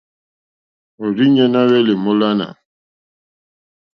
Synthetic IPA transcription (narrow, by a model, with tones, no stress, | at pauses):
o˨ɾi˦ɲɛ˦na˦wɛ˦le˨mɔ˦la˦na̰˨